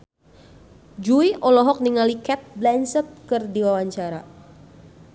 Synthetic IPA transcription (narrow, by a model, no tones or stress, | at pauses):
d͡ʒuiʔɔlɔɦɔk̚niŋalikɛt̪̚blɛnsəp̪̚kɨrdiwawaɲt͡ʃaɾa